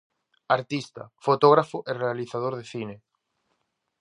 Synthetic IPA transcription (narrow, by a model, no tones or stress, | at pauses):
aɾt̪ist̪ɐ̰fot̪oɣ̞ɾafoʔerealiθaðoɾðeθine